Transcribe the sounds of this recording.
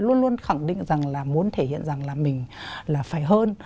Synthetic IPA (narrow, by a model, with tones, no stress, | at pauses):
lu˧ənlu˧ənxa˧˩ŋɗḭ̈˧˨ŋ̟za˨˩ŋlaː˨˩mu˨˦ənt̪ʰe˧˩hḭ˧˨ənza˨˩ŋlaː˨˩mï˨˩ŋ̟laː˨˩faː˧˩jɦəː˧n